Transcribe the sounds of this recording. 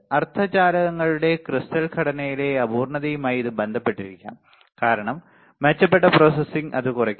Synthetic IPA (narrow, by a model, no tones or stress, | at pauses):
ɐrt̪ʰɐt͡ɕaːɾɐɣɐŋːɐɭuɽe̞krist̪ɐlkʰɐɽɐnɐjile̞ɐbuːrɳɐðɐjumaːjiðɨbend̪ʱɐpːe̞ʈːiɾikʲːa̰ːm | kaːɾɐɳɐmː | ɐt͡ɕːɐp̬ːeʈːɐpro̞ːsɐsiŋɡɐ̰ðɨkurɐkʲː